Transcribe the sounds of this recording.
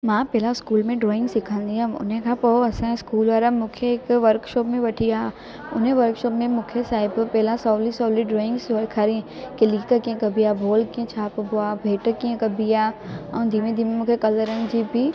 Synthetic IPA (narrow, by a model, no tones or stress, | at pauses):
mãːpɛːlaskuːlmẽɖɾɔːɪ̃ŋɡsɪkʰãnd̪iãmʊ̰nɦẽkʰãpɐoɐsãɪskuːlaɾamũːkʰeɪkʋəɾkʃɔːpmẽʋɐʈʰija | ʊnɦẽʋəɾkʃoːpmẽmʊ̃ːkʰesaːɪbpɛːlasɔːlisɔːliɖɾoːɪ̃ŋɡsʋkʰaɾĩkɪliːkakiẽkɐbijabʱoːlkiẽt͡ʃʰaːpboabʱeːʈkiẽkɐbijaɐũd̪ʱimẽd̪ʱimemũːkʰekɐləɾə̃nd͡ʒiːbi